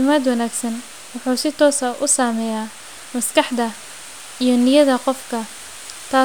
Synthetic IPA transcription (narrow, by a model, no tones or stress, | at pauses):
ɪmaːd̪wɐnaːɡsɐn | wɑħuːsɪt̪ʰɔːsɐʔʊsaːmɛːjaː | mɐskɑħd̪ɐ | ijɞnɪjɐðɐqɔfkʰɐ | t̪ʰaː